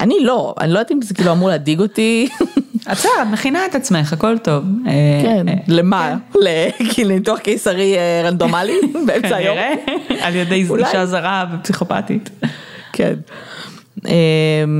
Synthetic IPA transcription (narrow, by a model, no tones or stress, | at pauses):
ʔanilo̞a̰nilojdatimzekiːluamuʁlehadiɡo̞ti | atsɛdeatmeχinaet̪at͡smeχako̞lto̞vekenlemalekilumituaχkejsaʁieʁandomalibeemaajjoʁealjedejzuulaʃazaʁavepsiχo̞pa̰tḭt̪kʰḛn | em